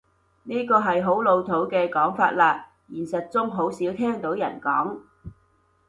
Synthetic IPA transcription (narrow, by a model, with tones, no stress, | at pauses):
niː˥kɔː˧ɦɐ˨jɦo˨˥wlo˨˧wt̪ʰo˨˥wkɛː˧kɔː˨˥ŋfaː˧t̚laː˧ | jiː˨˩nsɐ˨t̚t͡sʊ˥ŋɦo˨˥wsiː˨˥wt̪ʰɛː˥ŋt̪o˨˥wjɐ˨˩nkɔː˨˥ŋ